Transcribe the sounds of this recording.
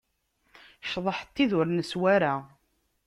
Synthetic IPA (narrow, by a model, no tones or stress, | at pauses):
ʃðˤəħt̪ːiðʊɾnəswaɾa